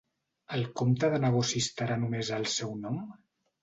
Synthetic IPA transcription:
əlˠkomt̪əðənəɣosist̪əɾanumezəlˠsɛwnɔm

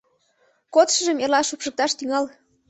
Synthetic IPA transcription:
kot̪ʃə̆ʒəmerlɑʃupʃə̆k̚t̪ɑʃt̪yŋɑl

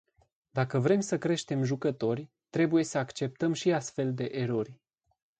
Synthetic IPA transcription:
d̪akəvɾe̞msəkɾe̞ʃt̪e̞mʒukət̪o̞rʲ | t̪ɾe̞buje̞səakt͡ʃe̞p̚t̪əmʃiast̪fe̞ld̪e̞ʔeɾo̞rʲ

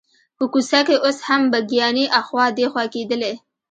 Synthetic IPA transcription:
pəkusakeʔoshambaɡijɑniʔaxwɑd̪exwaked̪əle

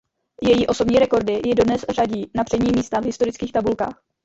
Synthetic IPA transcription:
jɛjiːʔo̞so̞bɲiːɾɛko̞ɾdɪjɪdo̞dnɛsraɟiːnapr̥ɛɲiːmiːst̪avɦɪst̪o̞ɾɪt͡skiːxt̪abulka̰ːx

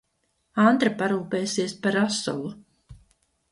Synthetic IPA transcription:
ant̪ɾapaɾuːpɛːjsiɛspaɾasɔ̰lˠu

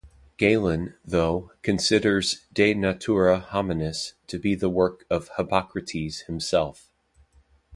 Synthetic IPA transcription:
ɡ̥eɪlˠə̃nðoʊkʰɨ̃nsɪɾə˞zdeɪnɨtʰuɹəhɑmɨnɨstʰɨbiðəwɜ˞kʌv̥həpʰɑkɹɨɾʰiz̥hɨ̃msɛlˠf

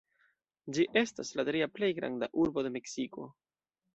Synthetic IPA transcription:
d͡ʒiʔe̞staslatɾiaple̞jɡɾa̰nda̰ʔuɾbo̞de̞me̞ksiko̞̰

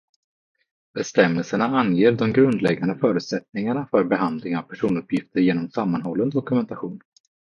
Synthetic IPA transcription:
b̥ɛst̪ɛmːɛlsəɳaanjeːɾd̪ɔmɡɾɵnd̪lɛɡːand̪əfœːɾʉ̟t̪sɛt̪nɪŋaɳafœɾbɛɦand̪lɪŋavpʰæʂuːnɵpʰːjɪft̪ʰəɾjeːnɔmsamːanhɔlːənd̪ɔkɵmɛnt̪aɧuːn

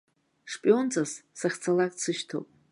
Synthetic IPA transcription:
ʂpʼio̞nt͡sʼazsaχʲt͡sʰalakʼt͡sʰɨʃtʰo̰wpʼ

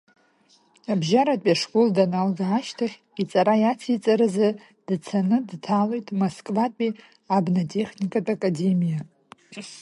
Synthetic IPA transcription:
abʒaɾatʼaʂkʼuldanalɡaːʃtʰaχʲ | it͡sʼaɾajat͡sʰit͡sʼaɾaza | d̥t͡sʰanɨdtʰalojtʼmoskʼvatʼi | abnatʼe̞χʲnikʼatʼakʼade̞mija

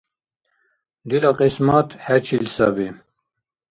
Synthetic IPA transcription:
d̪ilɑqismɑt̪hɛt͡ʃʰilsa̰bi

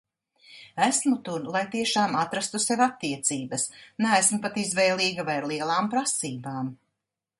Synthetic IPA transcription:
æsmut̪uɾlˠajt̪iɛʃaːmat̪ɾast̪usevat̪ːiɛt̪siːbɐsnæːsmʊpat̪izvɛjlˠiːɡavajaɾlˠiɛlˠaːmpɾasiːbaːm

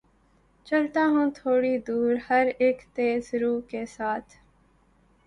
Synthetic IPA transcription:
t͡ʃɐlt̪aːɦũt̪ʰoːɽid̪uːɾhəɾeːkt̪eːzɾuːkesaːt̪ʰ

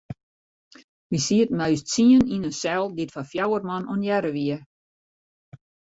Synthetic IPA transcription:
ʋisiət̚mɛɥstsiəninənsɛlˠdɪtfafjawərmɑnonjɛɾəʋiə

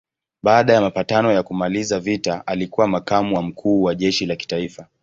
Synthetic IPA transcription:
ɓaːɗajamapatanɔjakumalizavitaʔalikuwamakamuwam̩kʰuːwaʄɛʃilaki̥taifa

